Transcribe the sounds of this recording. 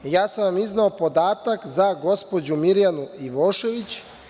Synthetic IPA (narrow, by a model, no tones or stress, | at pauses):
jaːsamiznaopo̞d̪aːt̪akzaɡo̞spo̞d͡ʑumiɾjanuiʋo̞ːʃe̞ʋit͡ɕ